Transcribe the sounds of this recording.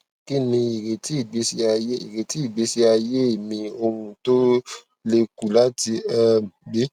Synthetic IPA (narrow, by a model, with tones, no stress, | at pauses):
ki˦nĩ˧i˨ɾe˨ti˨˦i˦˨ɡ͡be˨˦si˦a˧je˦i˨ɾe˨ti˨˦i˦˨ɡ͡be˨˦si˦a˧je˦e˨mĩ˧o˧wũ˧˦to˦ | le˧ku˨la˨˦ti˧ɛ˦˨bi˦